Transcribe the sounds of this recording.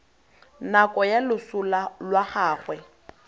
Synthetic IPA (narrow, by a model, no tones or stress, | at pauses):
nakʼɔjalʊsʊlalwaχaːχwɛ